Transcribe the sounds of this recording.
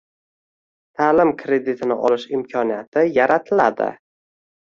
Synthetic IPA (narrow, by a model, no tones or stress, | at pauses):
t̪ʰaːlɪmkʰɾe̞d̪it̪ʰɪnɪʔɒlɪʃɪmkʲʰɒnijat̪ʰɪjaɾat̪ʰɪla̰d̪ɪ̰